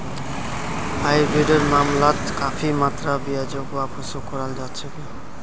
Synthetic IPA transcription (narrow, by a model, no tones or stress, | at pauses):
ajbeɖɔɾmamlat̪kapʰimat̪ɾabiad͡ʒokoapɔsokɔɾald͡ʒatt͡ʃʰeki